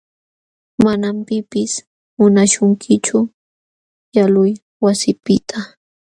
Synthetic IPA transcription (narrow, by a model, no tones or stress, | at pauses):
manampɪpɪs | mʊnaʃʊŋkʰɪt͡ʃʊ | jalʊj | wasɪpɪt̪ʰa